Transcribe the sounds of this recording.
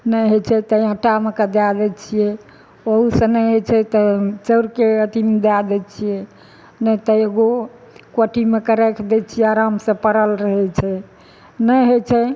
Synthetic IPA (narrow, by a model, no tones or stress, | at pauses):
nəɦot͡ʃʰɛt̪əiɦəʈamekəd̪ad̪ɛt͡ʃʰijɛ | oɦusə̃nɛɦot͡ʃʰɛt̪ət͡ʃəɾkeət̪imed̪ad̪ɛt͡ʃʰijɛ | nət̪əjeɡo | koʈʰimekəɾekʰd̪ɛt͡ʃʰijɛaɾamsə̃pəɾəlɾəɦɛt͡ʃʰɛ | nəɦot͡ʃʰɛ